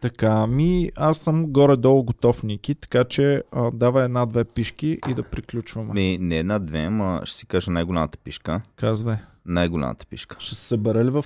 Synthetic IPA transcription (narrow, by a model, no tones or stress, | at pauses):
t̪ɐkamiasːəmɡɔɾɛd̪ɔlˠʊɡot̪ɔfnikit̪ɐ̥kat͡ʃɛəd̪avəɛd̪nad̪vɛpiʃkiʔid̪ɐpɾiklʲut͡ʃvɐmɛminɛːd̪nad̪vɛmə̰ʃt̪ɛ̥si̥kaʒənajɡolʲamət̪ə̥piʃkəkazvəj | najɡolʲa̰mə̰t̪ə̥pḭʃkə̥ʃt̪ɛsɛ̥səbɛɾəlivɐf